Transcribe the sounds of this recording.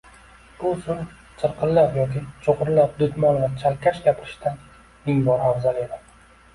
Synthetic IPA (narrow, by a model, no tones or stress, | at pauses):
b̥ʊsʊl | t͡ʃ̪ʰɨɾqʰɨlːapjɒkʲɪt͡ʃʰoqʊɾlap̚d̪ʊt̪mɒnlaɾt͡ʃʰalkʲʰaʃɡʲapʰɪɾɪʃt̪ʰan | mɪŋbɒɾhaɾzaled̪ɪ